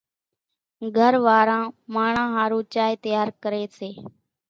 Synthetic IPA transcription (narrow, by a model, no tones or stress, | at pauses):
ɡʱəɾʋaːɾãːmaːɳãːɦaːɾũːt͡ʃaːjt̪əjaːɾkəɾeːseː